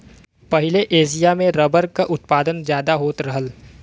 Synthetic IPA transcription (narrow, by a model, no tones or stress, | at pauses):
pɐɦɪleʔeːʃ̬ijamẽɾɐbəɾkaʔʊt̪paːd̪ənzjaːd̪aɦoːt̪ɾɐɦəl